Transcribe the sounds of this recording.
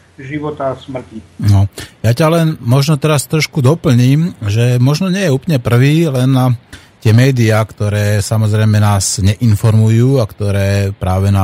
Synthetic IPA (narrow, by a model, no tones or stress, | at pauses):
ʒiʋɔt̪asmr̩cinɔjacalɛnmɔʒnɔt̪ɛɾast̪ɾɔʃkud̪ɔpl̩ɲiːmʒɛmɔʒnɔɲɪɛjɛuːpl̩ɲɛpr̩ʋiːlɛn | t̪ɪɛmɛːd̪iakt̪ɔɾɛːsamɔzɾɛjmɛnaːzɲɛʔinfɔɾmujuːakt̪ɔɾɛːpɾaːʋɛna